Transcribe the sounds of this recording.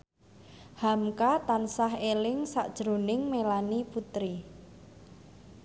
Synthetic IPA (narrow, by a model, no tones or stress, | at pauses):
hamkat̪ansaɦelɪŋsaʔd̥ʒ̥ɾo̤nɪŋmelaniput̪ɾi